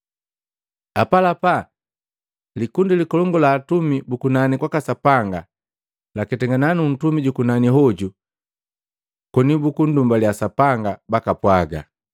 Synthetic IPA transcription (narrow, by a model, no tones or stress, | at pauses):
apalapa | likundilikɔlɔŋɡɔlaːtumibukunanikwakasapaŋɡa | lakɛtɛŋɡananun̩tumiɟukunaniɦɔɟu | kɔnibukundumbaljasapaŋɡabakapwaɡa̰